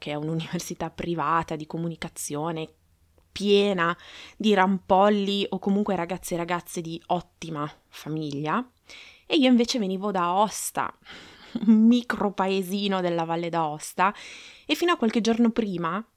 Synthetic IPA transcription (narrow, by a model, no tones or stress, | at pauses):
keɛununiversit̪apːɾivaːt̪ad̪ikomunikat̪sːjoːne | pjɛːnad̪iɾampɔlːiʔokːomuŋkweɾaɡat̪sːeɾaɡat̪sːed̪iɔt̪ːima | famiʎːa | eiːoĩɱveːt͡ʃeveniːvod̪aɔst̪a̰ | unmikɾopaeziːnod̪elːavalːed̪aɔst̪aefːiːnoakːwalk̟ed͡ʒornopɾiːma